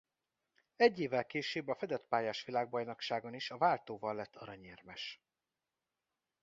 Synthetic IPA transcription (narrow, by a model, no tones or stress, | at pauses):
ɛɟːeːvːɛlkeːʃeːbɒfɛd̪ɛt̪paːjaːʃʋilaːɡ̚bɒjnokʃaːɡoniʃɒvaːlt̪oːvɒlːɛt̪ʰːɒɾɒɲeːrmɛʃ